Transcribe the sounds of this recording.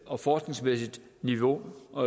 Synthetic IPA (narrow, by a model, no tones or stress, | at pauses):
ɒ̽fɒːsɡ̥ne̝ŋsmesid̥ | niʋo̝